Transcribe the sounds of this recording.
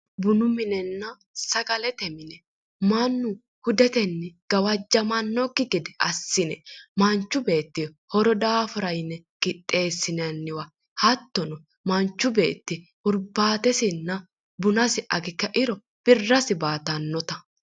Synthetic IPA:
bʊnʊmɪnɛnːɐ | sɐɡɐlɛt̪ɛmɪnɛ | mɐnːʊ | hʊd̪ɛt̪ɛnːɪɡ̥ɐwɐd͡ʒːɐmɐnːɔɡɪɡɪd̪ɛɐsːɪnɛmɐnt͡ʃːʊbe̞ːt̪ːɪjɔ | hɔɾɔd̪aːfʊɾɐjnːɛkʼɪt̪ʼːe̞ːsːɪnɐnːɪwa | hɐt̪ːɔnɔ | mɐnt͡ʃːʊbe̞̰ːt̪ːɪ | ʊɾbaːt̪ɛsɪnːɐ | bʊnɐsɪʔɐɡɪkːɐʔɪɾɔ | b̥ɪrːɐsɪbaːt̪ɐnːɔt̪ɐ

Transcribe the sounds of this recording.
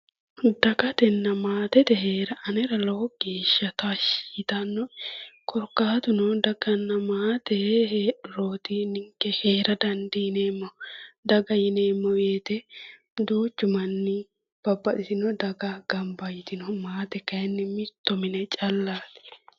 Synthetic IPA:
d̪ɐɡɐt̪ɛnːɐmaːt̪ɛt̪ɛɦeːɾɐʔɐnɛɾɐlɐwɔɡeːʃːɐt̪aʃiːt̪ɐnːɔkʰɔɾkːaːt̪ʊnɔd̪ɐɡɐnːɐmaːt̪ɛɦeːᶑɾoːt̪ɪnɪŋkːɛheːɾɐd̪ɐnd̪ɪɪneːmːɔd̪ɐɡɐjɪneːmːɔweːt̪ɛ | d̪uːt͡ʃːʊmɐnːɪ | b̥ɐbːɐʔɪsɪnɔd̪ɐɡɐɡɐmbɐjɪt̪ɪnɔmaːt̪ɛkɐjɛnːɪmɪt̪ːɔmɪnɛt͡ʃʼɐlːaːt̪

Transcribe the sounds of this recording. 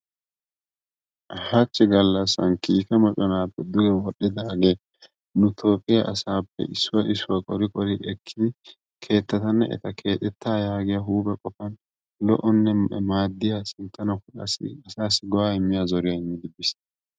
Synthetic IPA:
hat͡ʃːɪɡɐlːɐsɐ̰nkiːkɛmɔt͡ʃʼɔnaːpːɛd̪ʊɡɛwɔɗːɛd̪aːɡe | nʊt̪ʰo̞ːpʼːɪjaʔɐsaːpːɛ̰ʔɪsːʊwɐʔɪsːʊwɐkʼɔɾɪkʼɔɾɪʔɛkːɪd̪ɪ | kʰe̞ːt̪ːɐt̪ɐnːɐ̰ʔɛ̰t̪ɐkʰe̞ːt̪ʼɛt̪ʰːaːjaːɡɪjɐɦuːbɛkʼɔfɐn | lɔ̰ʔɔnːɛmaːd̪ːɪjasɪnt̪ːɐnɐkʊᶑɐ̰sɪ̰ɐsaːsːɪɡɔwaːɪmːɪjazɔɾɪjɐɪmːɪd̪ɪbɪs

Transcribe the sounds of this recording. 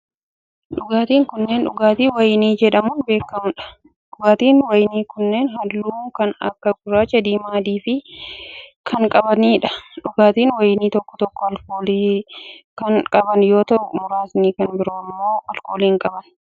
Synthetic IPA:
ᶑʊɡaːt̪iːŋkʊnːeːnᶑʊ̰ɡaːt̪iːwɐjniːd͡ʒɛᶑɐmʊnbe̞ːkːɐmᶑɐ̥ | ᶑʊɡaːt̪iːnwɐjniːkʊnːe̞ːnɦɐlːuːkɐnɐ̰kːɐɡʊɾaːt͡ʃɐd̪iːmaːd̪iːfɪ | kʰɐŋkʼɐbɐniːᶑɐ̥ᶑʊɡaːt̪iːnwɐjniːt̪ɔkːɔ̥t̪ɔkːɔɐlko̞ːliːkɐnkʼɐbɐnjo̞ːt̪ɐʔʊmʊɾaːsniːkɐnbɪɾoːmːoːɐlko̞ːliːŋkʼɐbɐn

